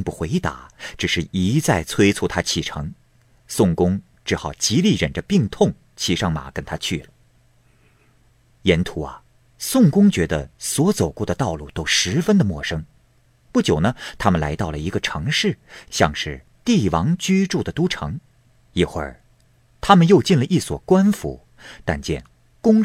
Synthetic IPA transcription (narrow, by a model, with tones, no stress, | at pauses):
ŋpu˥˩xwe˧˥ɪt̪a̰˧˥ʈ͡ʂɻ̩˨˩ʂɻ̩˥˩i˧˥t͡sa˥˩ɪt͡sʰwe˥ɪt͡sʰu˥˩t̪ʰa˥t͡ɕʰi˥˩ʈ͡ʂʰɤ˧˥ŋ | sʊ˥˩ŋkʊ˥ŋ | ʈ͡ʂɻ̩˥˩xɑ˨˩ʊt͡ɕi˧˥li˥˩ɻə˨˩nʈ͡ʂə˦pi˥˧ŋt̪ʰʊ˥˩ŋ | t͡ɕʰi˧˥ʂɑ˥˩ŋma̰˨˩kə˥nt̪ʰa˥t͡ɕʰy˥˩lə˩˦ | jɛ˧˥nt̪ʰu˧˥ɐ̰˧ | sʊ˥˩ŋkʊ˥ŋt͡ɕɥɛ˧˥d̪ə̰˧swɔ˧˥t͡so˨˩ʊkwɔ˥˩d̪ə˩t̪ɑ˥˧ʊlu˥˩t̪o˥ʊʂɻ̩˧˥fə˥nd̪ə˨mwɔ˥˩ʂɤ˥ŋ | pu˥˩t͡ɕjo˨˩ʊnə˦t̪ʰa˥mə˨nla˧˥ɪt̪ɑ˥˩ʊlə˩i˧˥ɡə˧ʈ͡ʂʰɤ˧˥ŋʂɻ̩˥˩ɕjɑ˥˧ŋʂɻ̩˥˧ | t̪i˥˩wɑ˧˥ŋt͡ɕy˥ʈ͡ʂu˥˩d̪ə˩t̪u˥ʈ͡ʂʰɤ˧˥ŋ | i˥˩xwə̰˞˥˧˩ | t̪ʰa˥mə˨njo˥˧ʊt͡ɕi˥˩nlə˩ʔi˥˩swɔ̰˨˩kwa˥nfṵ˧˦ | t̪a̰˥˧nt͡ɕjɛ̰˥˩n | kʊ˥ŋ